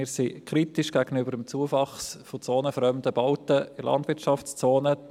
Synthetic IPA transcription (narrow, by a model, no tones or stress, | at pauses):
ɪːsikʰɾitɪʃɡ̥æɡ̥ənybəɾəmt͡suəfɑχsfot͡soːnəfɾœmdəbɑʊtəɪlʔɑ̰ndvɪtt͡ʃɑft͡st͡soːnə